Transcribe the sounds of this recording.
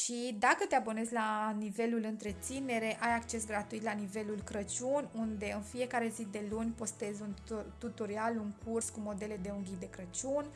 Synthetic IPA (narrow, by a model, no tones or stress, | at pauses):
ʃid̪akət̪e̞abo̞ne̞zʲlanive̞lulɨnt̪ɾe̞t̪sine̞ɾe̞ʔajakt͡ʃe̞s̬ɡɾat̪uit̪lanive̞lulkɾət͡ʃunʲund̪e̞ɨnfie̞kaɾe̞zid̪e̞lunʲpo̞st̪e̞zʲunt̪ut̪oɾialuŋkʰurskumo̞d̪e̞le̞d̪e̞uŋɡʲid̪e̞kɾət͡ʃunʲ